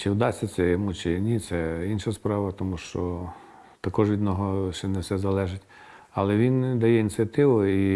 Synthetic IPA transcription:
t͡ʃɪwd̪ɑsʲɐt̪sɛjɔmut͡ʃɪnʲit̪sɛinʃɐspɾɑʋɐt̪ɔmuʃt͡ʃɔ | t̪ɐkɔʒʋʲid̪nɔɦɔʃt͡ʃɛnɛwsɛzɐlˠɛʒɪtʲ | ɐlˠɛʋʲind̪ɐjɛinʲt͡sʲijɐt̪ɪʋʊi

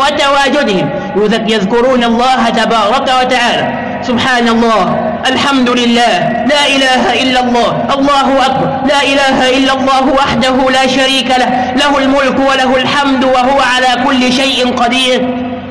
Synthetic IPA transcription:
wat̪awaːd͡ʒʊd̪ɪhɪm | wjʊðakjaðkʊɾuːnɑlˤːɑːɦat̪abɑːɾˤɑkawat̪aʕaːlaː | sʊbħaːnɑlˤːɑːh | ʔalħamd̪ʊlɪlːaːh | laːʔɪlaːɦaʔɪlːalˤːɑːhʔɑlˤːɑːɦʊʔak̚bɑɾˤlaːʔɪlaːɦaʔɪlːalˤːɑːɦʊwaħd̪aɦʊlaːʃaɾiːkalah | lahʊlmʊlkwalaɦʊlħamd̪waɦʊwaʕalaːkʊlːɪʃajʔɪnqɑd̪iːɾ

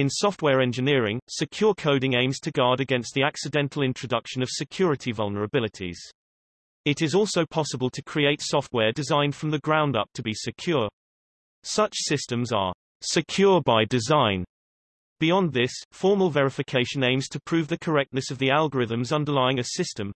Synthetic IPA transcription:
ɪ̃nsɒft̚wɛːɹɛ̃nd͡ʒɨnɪəɹɪ̃ŋsɨkʰj̥ɔːkʰəʊɾɪ̃ŋẽɪ̃mz̥tʰəɡɑːɾɨɡɛ̃nst̪̚ðiaksɪdɛ̃ntʰˡl̩ˠɪ̃nt͡ʃʰɹ̥ədʌkʃə̃nʌv̥sɪkʰj̥ɔːɹɨtʰivʌlˠnəɹəbɪlˠɪtʰḭz̥ | ɪɾɪzɔˑlˠsoʊpʰɒsəbəlˠtʰəkʰɹ̥ieɪtsɔft̚wɛːɹdɪzãɪ̃nd̥fɹə̃mðəɡɹãʊ̃ndʌ̰p̚tʰəbisɪkʰj̥ɔː | sʌt͡ʃsɪstə̃mzə̰ | sɨkʰj̥ɔːɹbaɪdɪzãɪ̃n | b̥ɪɒ̃nðɪsfɔɹməlˠvɛɹɪfɨkʰeɪʃə̃nẽɪ̃mz̥tʰəpʰɹ̥ʉvðəkʰəɹɛk̚tnəsəvðialˠɡəɹɪðə̃mzʌ̃ndəlaɪɪ̃ŋɨsɪstə̃m

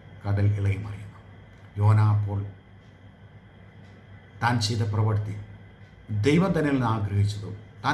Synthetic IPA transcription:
kɐɽɐliɭɐjɐmɐ̰rɐjkːu̥m | joːnaːpːoːɭ | t̪aːnt͡ɕid̪ɐprɐʋɐɾt̪i | d̪ɐjʋɐd̪ɐnːɐlnaːmɐɡɾɐɦit͡ɕːɐðut̪aː

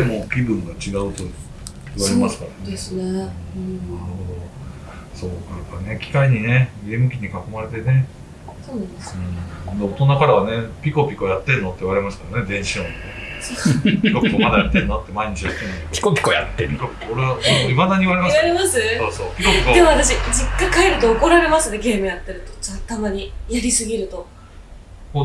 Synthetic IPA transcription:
t̪emo̞ːkʲibɯ̟̃ŋɡat͡ɕiɡaɯ̟t̪o | iβaɾemasɨ̥kaɾane | naɾɯhod̪o̞ | so̞ːkaɾɯkane̞kʲi̥kaiɲ̟ine̞ɡe̞ːmɯ̟kʲiɲ̟ikako̞maɾe̞t̪e̞ne̞ | soɯ̟̃ːd̪eo̞t̪o̞nakaɾaβane̞pʲiko̞pʲiko̞jat̪ːe̞ɾɯ̟not̪ːeɯβaɾe̞masɨ̥kaɾne̞d̪ẽ̞ɰ̃ɕiõne | pikopikːomad̪ajat̪ːeɾɯ̟nat̪ːemaiɲ̟it͡ɕijat̪ːenːpʲi̥kopʲi̥koja̰t̪ːeɾikopʲi̥koːɾeβasonoimad̪aɲ̟iβaɾe̞masaɾemasɨsoːso̞ːpʲikopʲikod̪emaβat̪aɕid͡ʑikːãkaeɾɯ̟t̪o̞oko̞ɾaɾe̞masɨneɡe̞ːmɯ̟jat̪ːeɾɯ̟t̪o̞t͡ɕat̪amaɲ̟ijaɾʲisɨɡʲiɾɯ̟t̪o̞ | koː

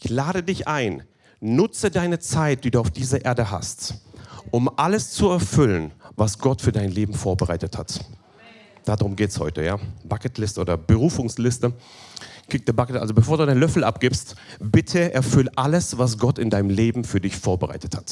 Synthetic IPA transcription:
ʔɪçlaːɾədɪçʔaɪn | nʊt͡sədaɪnət͡saɪt̚d̥iːduːaʊfd̥iːzɐʔeːɐdəɦa̰stʔʊmʔaləst͡suɛɐfʏlənvasɡ̥ɔtfyːɐdaɪnleːbm̩foːɐbəʁaɪtətha̰t | d̥aːdʁʊmɡeːtshɔ̰ʏtəjaːb̥akətlɪstəʔoːdɐbəʁuːfʊŋslɪstə | kʰɪk̚d̥iːɐbakətʔa̰lzobəfoːɐduːdaɪnlœfl̩ʔap̚ɡ̥ɪpstb̥ɪtʰəʔɛɐfʏlʔaləsvas̬ɡ̥ɔtɪndaɪnəmleːbm̩fyːɐdɪçfoːɐbəʁa̰ɪtə̥that

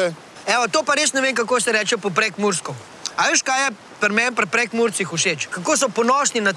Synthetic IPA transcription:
ɛʋat̪oːpaɾesnɛʋeŋkakoːsɛɾɛt͡ʃɛpɔp̬ɾɛkmuɾskɔ | aʋeʃkajɛ | pɾmɛnpɾɛpɾɛkmuɾt̪sixuʃet͡ʃkakoːs̬ɔpɔnɔʃnina

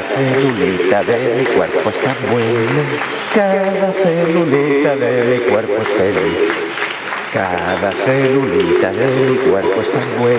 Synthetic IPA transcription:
selulit̪ab̪elikʷḛɾpost̪abwele | kadðaselulit̪ad̪elekʷeɾpost̪eli | ka̰ðaselulit̪alelikʷeɾpost̪abwe

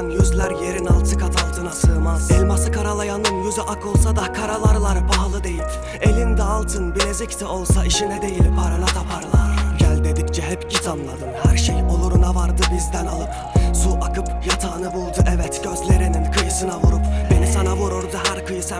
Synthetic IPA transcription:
njyzlʲæɾje̞ɾinalˠt̪ʰɯkʰat̪ʰalˠt̪ʰɯnasɯːmaz̥ɛlʲmasɯkaɾalˠajanɯnjyzyʔakʰo̞lˠsad̪akʰaɾalˠaɾlˠaɾpʰaɦlˠɯd̪e̞jip | e̞lʲind̪ɛalˠt̪ʰɯnbilʲed͡ʒɛct̪ʰɛo̞lˠsaiʃinɛd̪e̞jilʲpʰaɾalˠat̪ʰapʰaɾlˠaɾɟælʲd̪e̞d̪ict͡ʃʰɛɦɛpcʰit̪ʰamlˠad̪ɯnhæɾʃejolˠuɾunavaɾd̪ɯbizd̪ænalˠɯp | suʔakʰɯpjat̪ʰaːnɯbulˠd̪uʔɛvɛt̪ɟ̥ø̞zlʲe̞ɾininkʰɯjɯsɯnavuɾupbe̞nisanavuɾuɾd̪uɦæɾkʰɯjɯsa

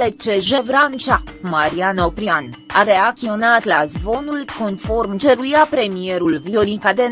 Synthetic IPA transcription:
et͡ʃeʒe̞vɾant͡ʃamaɾianopɾianaɾeak̚t̪io̞nat̪lazvo̞nulko̞nfo̞rmd͡ʒe̞ɾujapɾe̞mie̞ɾulvioɾikad̪e

